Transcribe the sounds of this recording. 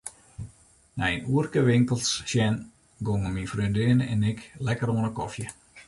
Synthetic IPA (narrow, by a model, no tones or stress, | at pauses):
nɛənuərkəʋɪŋkəlˠsʃjɛn | ɡoŋəminfrøndɪənəɛnɪklɛkəɾoənəkɔfjə